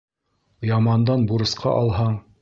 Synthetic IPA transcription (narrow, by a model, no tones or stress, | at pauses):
jɑmɑnd̪ɑnbuɾɤ̆sqʰɑ̰ʔɑlˠɦɑɴ